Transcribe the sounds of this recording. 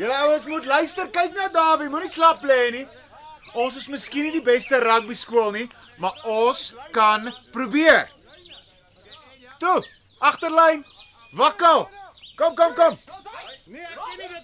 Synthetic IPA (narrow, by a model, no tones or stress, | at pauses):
jələəwənsmutlœɥstərkɛjknɐdɑːvimunislɐplɛːni | ɔ̃nsəsməskinidibɛstəɾɐk̚biskuəlˠni | mɐɔskɐnprubiər | tu | ʔɐχtərləjn | vɐkəlˠkɔmkɔmkɔm